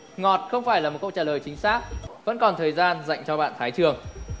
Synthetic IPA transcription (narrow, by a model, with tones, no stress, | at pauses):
ŋɔ˨˩t̚xə˧wŋ͡mfaː˧˩jlaː˨˩mo˨˩t̚kə̰˧˨w̚t͡ɕaː˧˩ləː˨˩jt͡ɕï˨˦ŋ̟saː˦˥k̚və̰˧˥nkɔ˨˩nt̪ʰəː˨˩jzaː˧nza̰˧˨jŋ̟t͡ɕɔ˧ɓa̰ː˧˨nt̪ʰaː˨˦jt͡ɕɨ˨˩əŋ